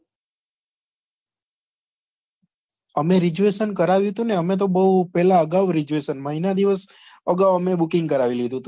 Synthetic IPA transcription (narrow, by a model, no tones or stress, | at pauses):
əmeɾid͡ʒueʃənkəɾaʋjũɦt̪ũneəmet̪̬obəɦupɛɦlaəɡaʋɾid͡ʒueʃənmãinad̪iʋəs | əɡaʋəmebukɪ̃ŋɡkəɾaʋilid̪ũt̪u